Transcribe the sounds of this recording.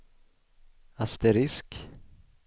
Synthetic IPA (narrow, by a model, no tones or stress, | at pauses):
ast̪ɛɾɪsk